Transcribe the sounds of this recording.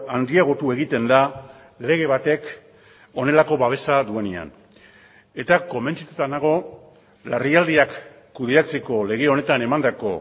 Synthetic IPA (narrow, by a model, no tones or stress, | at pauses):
and̪iaɣ̞o̞t̪ue̞ɣ̞it̪e̞nd̪a | le̞ɣ̞e̞βat̪e̞k | o̞ne̞lako̞βaβ̞e̞saðue̞nea̰n | e̞t̪ako̞me̞nt͡ʃit̪ut̪anaɣ̞o̞ | lariald̪iakː | uðeɾat͡se̞ko̞le̞ɣ̞e̞o̞ne̞t̪ane̞mand̪ako̞